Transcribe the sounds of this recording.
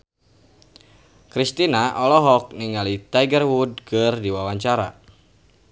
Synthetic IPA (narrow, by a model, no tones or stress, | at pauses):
kɾist̪inaʔɔlɔɦɔk̚niŋalit̪ajɡərwud̚kʰɨrdiwawaɲt͡ʃaɾa̰